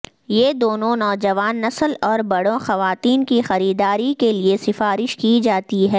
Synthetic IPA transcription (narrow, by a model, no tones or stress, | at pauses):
jeːd̪oːnõnɔːd͡ʒɐʋaːnːɐsəlɔːɾbɐɽõxɐʋaːt̪iːnkixɐɾiːd̪aːɾikeliesɪfaːɾɪʃkid͡ʒaːt̪iɦɛː